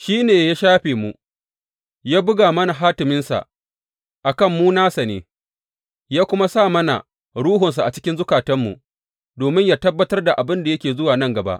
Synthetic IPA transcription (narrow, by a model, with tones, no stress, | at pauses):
ʃiː˦neː˨jaː˦ʃaː˦ɸeː˨mu˨ʔ | jaː˦bʊ˦ɡaː˨mɐ˦na˨ɦaː˦tɪ˨mɪ˦nsa̰˨ʔ | ʔa˨kɐ˦˨mːuː˦naː˦sa˨nḛː˨ | jaː˦kʷʊ˦ma˦sa˦˨mɐ˦na̰˨ | ɽuː˦ɦʊ˨ns̬a˨ʔa˨t͡ʃɪ̥˦kʲɪ˦nzʊ˦kaː˨tɐ˦mːṵ˨ | doː˨mɪ˦ɲjaː˦tɐ˦bːɐ˦tɐ˦rda˨ʔa˨bɪ˦nda˨jɐ˦kʲeː˨zʊ˦waː˨nɐ˦ŋɡɐ˨ba̰˦ʔ